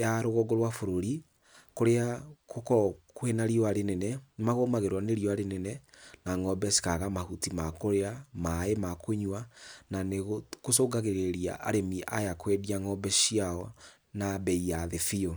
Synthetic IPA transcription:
jaɾoɣoɡoɾwafoɾoɾi | koɾeakokɔkwenaɾiɔaɾenɛnɛmaɣomaɣeɾwaneɾiɔaɾenɛnɛnaŋɔbɛsi̥kaɣamahutimakoɾeamaemakoɲwananeɣokosoɡaɣeɾeɾia̰ʔa̰ɾemiʔajakwediaŋɔbɛʃiaɔ | nabɛijaðefiɔ

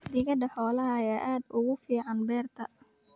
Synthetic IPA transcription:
d̪ɪɣɐd̪ɐħɔːlɐɦɐjaːʔaːd̪ʊɣʊfiːʕɑnbɛːrt̪ʰɐ

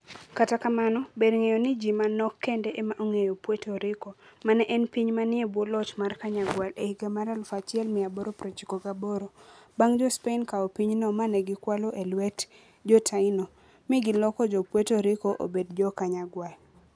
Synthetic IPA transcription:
katakamanɔbedŋejonɪd͡ʒimanɔkːɛndɛʔemaʔoŋejopwetoɾɪkomanɛʔɛnpiɲmanɪebwɔlɔt͡ʃmarkaɲaɡwalehiɡemaɾalfat͡ʃɪɛlmɪaboɾopɾot͡ʃikoɡaboɾobaŋd͡ʒɔspenkaɔpiɲnɔmanɛɡɪkwalɔʔelwɛt | d͡ʒɔtʰaɪnɔ | mɪɡɪlɔkɔd͡ʒɔpwetoɾɪkoʔo̰bedd͡ʒɔkaɲaɡwal

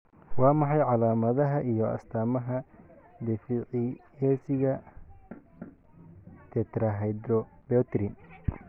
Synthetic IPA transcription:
wɑːmɑħɑjʕɑlaːmɐðɐɦɐʔijɔɐ̰st̪ʰaːmɐɦɐ | d̪ɛfiʕɪjɛːsɪɣɐ | t̪ʰɛt̪ɾɐɦɛjd̪ɾɔbɛt̪ɾin

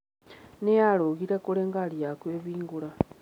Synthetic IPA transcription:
nejaloɣiɾakuleŋɡaljakweːβiːŋɡula

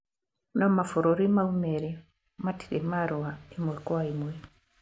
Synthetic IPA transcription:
nɔmafuɾoɾimaumeɾi | mati̥dimaɾuaimwɛkwaimwɛ

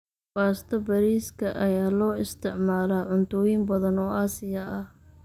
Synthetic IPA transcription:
baːst̪ʰɐbɐɾiːskʰɐʔɐjaːlɔːɪst̪ʰɪʕmaːlaːʕʊnt̪ʰɔːjɪmbɐðɐnɔːʔaːsɪjɐʔɐh

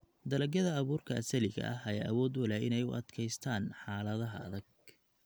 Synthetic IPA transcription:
d̪ɐlɐɡjɐðɐːβuːrkʰɐʔɐsɐlɪɣɐ̰ʔɐɦɐjaːʔɐwɔːd̪wɐlɛːɪnɛjʊ̰ʔɐ̰d̪kʰɛjst̪ʰaːnħaːlɐðɐɦɐɐ̰ðɐɡ̚

